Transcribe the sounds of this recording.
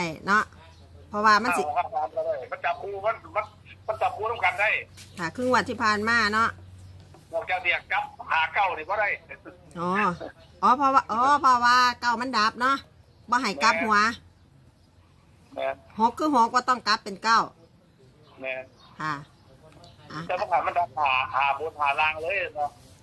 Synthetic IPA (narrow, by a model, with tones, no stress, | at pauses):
a˧˩jnɔ˧˥ʔ | pʰɔ˧waː˧ma˧˥˨si˧a˧a˨˧a˧˩ma˧˥nt͡ɕa˨˦pkʰuː˧ma˧˥˨nma˧˥˨n | ma˧˥˨nt͡ɕa˨˦pkʰuː˧t̪ʰa˧˨ŋka˧˨nda˧˩jkʰa˧˩kʰɯ˧˨ŋu˧˩˨t̪ʰiː˧˩pʰaː˧˨˩nmaː˧˥˨nɔ˧˥ʔ | ɔ˧˩t͡ɕa˧˩wt̪ʰi˧˩a˨˩ka˦p̚haː˨˦ka˧˩wni˧˩bɔː˧˦ɾa˧˩j | ʔɔː˧˩ | ʔɔː˧˦pʰɔ˧wa˧ʔɔː˧˦pʰɔ˧waː˧ka˧˩wma˧˥˨nda˧˦p̚nɔ˧˥˨ʔ | bɔː˧˨ɦa˨˩jka˦p̚hu˨ɐ | mɛː˧˩nho˧˥kʰːɯː˧˥˩ɦo˧˦k̚bɔː˧˦t̪ɔ˧˥˩ŋka˧˦pːe˨nka˧˩w | mɛː˧˩n | kʰa˧˩ | ʔa˧tɛː˧ma˧˨nha˧˨˩jma˧˥˨nda˨˦p̚haː˨˦haː˨˦boː˨˧˦nhaː˨˦laː˧ŋlɤː˧˥˨ja˧˩nɔ˧